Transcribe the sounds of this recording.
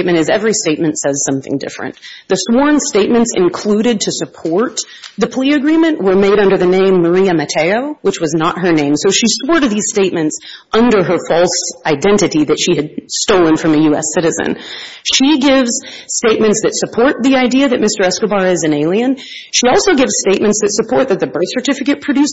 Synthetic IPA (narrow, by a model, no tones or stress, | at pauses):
ɪt̚mɨ̃ɾ̃ɨzɛvɹisteɪt̚mɨ̃ntsɛz̥sʌ̃mθɪ̰̃ŋdɪ̰fɹɨ̰̃nðɨswɔɹ̃nsteɪt̚mɨ̃ntsɨ̰̃nkʰl̥uɾɨd̚tʰɨsɨpʰɔɹt̪̚ | ðɨpʰliɨɡɹĩmɨ̃nʔwə˞meɪɾʌ̃ndə˞ðɨnẽɪ̃mːə˞iɨmɨtʰeɪoʊwət͡ʃwʌznət̚ɦə˞nẽɪ̃msoʊʃiswɔɹɾɨðiz̥steɪt̚mɨ̃ntsʔʌ̃ndə˞ə˞fɔlˠsaɪdɛ̃ntɨɾiðɨtʃiɨd̚stoʊlˠə̃nfɹʌ̃mɨjʉɛ̰sɪɾɨzɨ̰̃nʃiɡɪvz̥ | steɪt̚mɨ̃ntsðɨtsɨpʰɔɹt̪̚ðiaɪdiɨðɨt̚mɪstə˞ɛskəbɑɹɪzɨ̃neɪlˠiɨ̃n | ʃiɔlˠsoʊɡɪvz̥steɪt̚mɨ̃ntsɨsɨpʰɔɹt̪̚ðɨt̪̚ðɨbɜ˞θsə˞tɪfɨkɨt̚pʰɹ̥ɨdʉs